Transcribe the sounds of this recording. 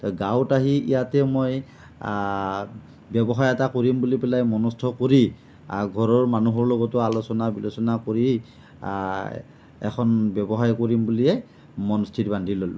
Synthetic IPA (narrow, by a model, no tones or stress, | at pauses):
tɔɡawtaɦiḭjatɛmoj | bɛbɔɦaɹɛtakoɹimbulipɛlajmɔnɔstʰɔkoɹi | a̰ɡʱɔɹɔɹmanuɦɔɹlɔɡɔtʊalosɔnabilosɔnakoɹi | ɛ̰kʰɔnbɛbɔɦajkoɹimbuliɛ | mɔnstʰitbandʱilol